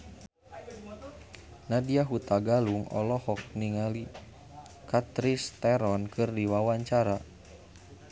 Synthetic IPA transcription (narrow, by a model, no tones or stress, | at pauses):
nadiaɦut̪aɡaluŋɔ̰lɔhɔk̚niŋali | kat̪ɾist̪ɛɾɔnkʰɨrdiwawaɲt͡ʃaɾa